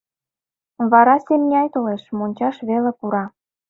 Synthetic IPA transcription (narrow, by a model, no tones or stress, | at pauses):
βɑɾɑsemnʲɑjt̪oleʃmonʲt͡ɕɑʃβelepuɾɑ